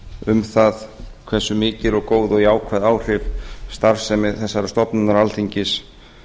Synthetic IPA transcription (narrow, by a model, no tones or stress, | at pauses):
ʏmθaðkʰvɛ̥sʏmɪːcɪɾɔɣkoːwðɔɣjaːwkʰvaðaːwr̥ɪvst̪aɾvsɛmɪðθɛsːaɾast̪ɔpnʏnaɾalt̪ʰiɲcɪs